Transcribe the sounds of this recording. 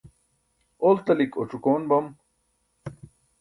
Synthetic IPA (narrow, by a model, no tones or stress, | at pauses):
olt̪ɐliko̰ʈ͡ʂukoːnbɐm